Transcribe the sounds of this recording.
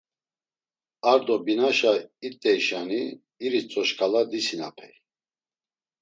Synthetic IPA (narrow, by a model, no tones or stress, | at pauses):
aɾd̪ɔbinaʃait̪ʼːɛjʃaniː | ɾist͡sʼɔʃkʰʼalad̪isina̰pʰɛj